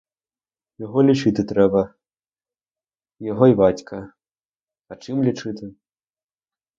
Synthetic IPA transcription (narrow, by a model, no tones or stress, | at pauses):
jaɣɔlʲit͡ʂɨt̪ɨt̪ɾɛbɐ | jaɣɔibat͡sʲkʰɐ | ɐt͡ʂɨmlʲit͡ʂɨt̪ɨ